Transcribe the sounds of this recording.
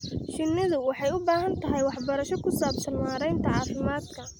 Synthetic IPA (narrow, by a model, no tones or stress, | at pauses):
ʃɪnːɪðʊwɑħɑjʊbaːɦɐnt̪ʰɐɦɛjwɑħbɐɾɐʃɔkʰʊsaːbsɐnwaːɾɛjnt̪ʰɐʕɑːfɪmaːd̪kʰɐ